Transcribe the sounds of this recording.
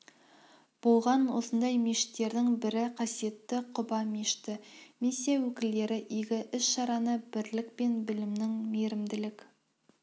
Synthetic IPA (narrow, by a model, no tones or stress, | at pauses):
b̥olˠʁɑnwosənd̪ɑjmeʃɪ̥t̪ːe̞ɾd̪ɪŋbɪɾɪqʰɑsije̞t̪ːɪqʰʊ̆bɑmeʃt̪ɪmesiawɵkʲɪ̆ld̪e̞ɾɪʔiɡʲɪʔɪʃʃɑɾɑnɤbɪɾlɪk̚pe̞nbɪ̆lɪ̆mnɪŋmeɾɪ̆md̪ɪ̆lɪk